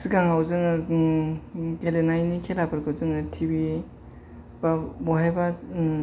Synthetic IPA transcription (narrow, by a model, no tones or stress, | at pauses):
siɡaŋawzɯŋɯ | kelenajnikʰelapʰɯɾkɯzɯŋɯtʰibi | babɔɦajba